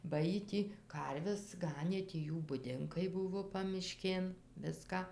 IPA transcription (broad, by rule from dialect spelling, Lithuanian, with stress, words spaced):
bɐ ˈjiː ˈtʲiː ˈkɐrʲʋʲɛs ˈɡɑːnʲeː tʲiː ˈjuː bʊˈdʲɪŋkɐɪ ˈbʊʋoː pɐmʲɪˈʃʲkʲeːn ˈʋʲɪskɐ